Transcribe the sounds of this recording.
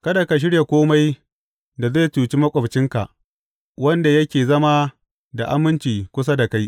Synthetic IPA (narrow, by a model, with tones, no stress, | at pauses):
kɐ˦da˨ka˨ʃ̬ɪ˦ɽja˨kʷoː˦ma˦j | da˨ze˦˨tuː˨t͡ʃi˦mɐ˦kʷʼɐ˨bt͡ʃɪ˦ŋka̰˨ʔ | wɐ˦nda˨jɐ˦kʲeː˨zɐ˦ma˦ | da˨ʔa˦mːɪ˦nt͡ʃiː˨kʷʊ˦s̬a˦da˨ka˦j